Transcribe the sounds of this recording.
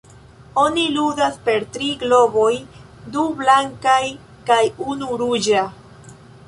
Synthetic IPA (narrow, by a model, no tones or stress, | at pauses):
o̞niludaspe̞ɾtɾiɡlo̞bo̞j | dublaŋkaj | kajunuɾud͡ʒa